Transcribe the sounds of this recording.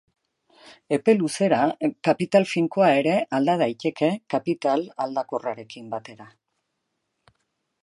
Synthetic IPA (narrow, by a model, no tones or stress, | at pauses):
e̞pe̞luse̞ɾakapit̪alfiŋkoae̞ɾe̞ʔald̪aðajt̪e̞ke̞kapit̪alald̪ako̞raɾe̞kimbat̪e̞ɾa